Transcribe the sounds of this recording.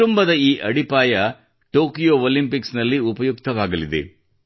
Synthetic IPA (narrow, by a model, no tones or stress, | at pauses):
umbɐd̪ɐiːʔɐɽipaːjɐ | ʈoːkijoːoːlimpiksnɐlːiupɐjukt̪ɐʋaːɡɐlid̪e̞̰